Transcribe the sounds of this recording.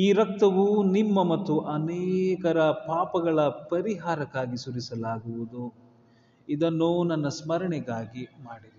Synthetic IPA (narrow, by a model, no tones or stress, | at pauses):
iːɾɐk̚t̪ɐʋunimːɐmɐt̪ːuʔɐnɛːkɐɾɐpaːpɐɡɐɭɐpɐɾiɦaːɾɐkːaːɡisuɾisɐlaːɡuʋud̪u | id̪ɐnːuːnɐnːɐsmɐɾɐɳɛɡaːɡimaːɽili